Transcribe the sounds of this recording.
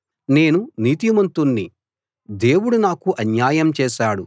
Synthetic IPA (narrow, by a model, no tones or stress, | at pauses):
ne̞ːnuniːt̪̬imɐnt̪unːi | d̪e̞ːwuɽunaːkuʔɐnjaːjɐmt͡ʃɛːʃaːɽu